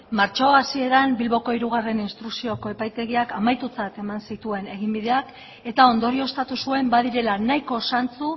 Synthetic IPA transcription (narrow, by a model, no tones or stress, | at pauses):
maɾt͡ʃoasie̞ɾambilβo̞ko̞iɾuɣ̞are̞ninst̪ɾuksio̞ko̞e̞pajt̪e̞ɣ̞iakamajt̪ut͡sat̪e̞mansit̪ue̞ne̞ɣ̞imbiðe̞ak | e̞t̪ao̞nd̪o̞ɾio̞st̪at̪usue̞mbaðiɾe̞lanajko̞sant͡su